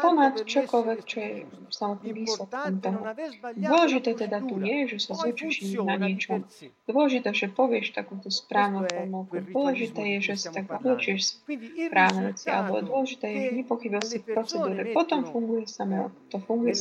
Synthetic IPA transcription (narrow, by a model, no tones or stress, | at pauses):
p̪ɔmat̪t͡ʃɔkɔlʋɛkt͡ʃɔjɛ | samɔt̪̚niʋiːslɛt̪kɔmt̪ɔɦud̪ʊɔlɛʒit̪ɛːt̪ɛd̪at̪ujɛʒɛsazut͡ʃt͡ʃiɲinaɲɪɛt͡ʃɔmd̪ʊɔlɛʒit̪ɛːʒɛpɔʋɪɛʃt̪akuʊt̪ɔspɾaːʋnɔʊpɔmakud̪ʋɔlɛʒit̪ɛːjɛʒɛsi̥t̪aɡzablɛt͡ʃiɛʃspɾaːʊnɛʋɛt͡siʔa̰lɛbɔd̪ʊɔlɛʒit̪ɛːjɛʒɛɲɛpɔxibiasifpɾɔt͡sɛd̪uːɾɛpɔt̪ɔmfuŋɡujɛsamɛa̰kɔt̪ɔfuŋɡujɛ